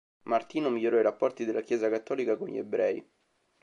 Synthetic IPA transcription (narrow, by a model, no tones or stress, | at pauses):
mart̪iːnomiʎːoɾɔiɾapːɔrt̪id̪elːakjɛːzakat̪ːɔːlikakonʎḭḛbɾɛi